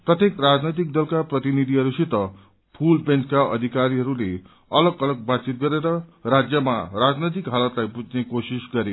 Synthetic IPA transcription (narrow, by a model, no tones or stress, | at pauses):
prʌt̪jekrad͡znʌjt̪̬ik̚d̪ʌlkaprʌt̪inid̪ʱiɦʌɾusit̪ʌ | pʰulbenʈkaʔʌ̰d̪ʱikaɾiɦʌɾule | ʌlʌɡʌlʌɡ̚batt͡sit̪̚ɡʌɾeɾʌrad͡zjʌma̰rad͡znʌjt̪̬ikɦalʌt̪lajpud͡znekosisɡʌɾe